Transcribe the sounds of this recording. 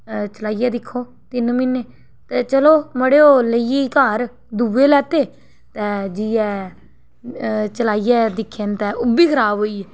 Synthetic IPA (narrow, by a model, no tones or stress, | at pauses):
t͡ʃəlaːijɛːd̪ɪkʰːoː | t̪ɪnmɪneː | t̪ɛːt͡ʃəloːməɽeːoːləiekaːɾ | d̪uːeːlɛːt̪eː | t̪ɛ̃ːd͡ʒiːɛː | t͡ʃəlaːijɛːd̪ɪkʰːent̪ɛːʔʊbiːkʰəɾaːbɦoːiːɛː